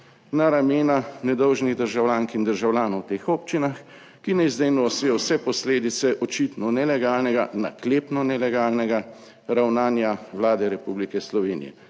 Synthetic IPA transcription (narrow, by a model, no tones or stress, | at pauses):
naɾameːnanɛd̪ɔwʒniɣd̪əɾʒawlʲjaːŋkind̪əɾʒawlʲjaːnɔwt̪eːxɔːp̚t͡ʃinax | kinɛizd̪eːnujɔsʋeɔwsɛpɔsleːd̪it̪sɛʔɔt͡ʃit̪nɔnɛlɛɡaːlnɛɡa̰na̰kleːpnɔnɛlɛɡaːlnɛɡa | ɾawnaːnjawlaːd̪ɛɾɛpublikɛslɔʋeːnḭjɛ̰